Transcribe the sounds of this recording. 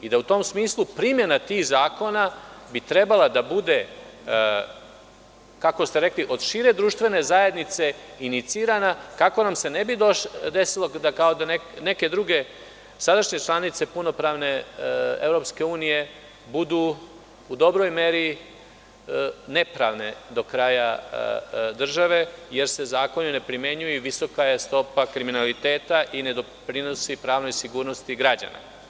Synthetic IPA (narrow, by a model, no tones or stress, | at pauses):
id̪aut̪o̞ːmsmiːslˠupɾimje̞nat̪iːxzaːko̞nabit̪ɾe̞balad̪abud̪e̞ | kako̞st̪eɾe̞kliʔo̞d̪ʃiːɾe̞d̪ɾuʃt̪ʋe̞ne̞zaje̞d̪nit̪se̞init̪siːɾanakako̞namse̞nebid̪oʃd̪esilˠod̪akaod̪anene̞ke̞d̪ɾuɡe̞ | sad̪aʃɲe̞t͡ʃlˠanit̪se̞puno̞pɾaːʋne̞evɾo̞pske̞uːnije̞ | bud̪uː | d̪o̞bɾo̞jme̞ɾi | ne̞pɾaʋne̞d̪o̞kɾaːja | d̪r̩ʒaʋe̞je̞ɾsezaːko̞nune̞pɾimje̞ɲujuʋiso̞kajest̪o̞pakɾiminalit̪e̞ːt̪aʔine̞d̪o̞pɾinosipɾaːʋno̞jsiɡuːɾno̞st̪iɡɾad͡ʑa̰na̰